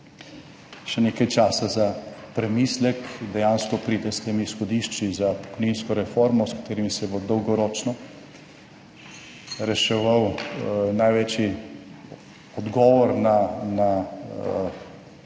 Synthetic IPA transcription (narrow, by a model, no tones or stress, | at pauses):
ʃɛneːkajt͡ʃaːsazapɾɛmislɛkd̪ɛjaːnskɔpɾiːd̪ɛst̪emisxɔd̪iʃt͡ʃizapɔ̥kɔjninskɔɾɛfɔɾmɔskḁt̪eːɾimisɛbod̪ɔwɡɔɾɔːt͡ʃnɔ | ɾɛʃɛʋawnajʋɛt͡ʃi | ɔd̪ɡɔːʋɔɾnana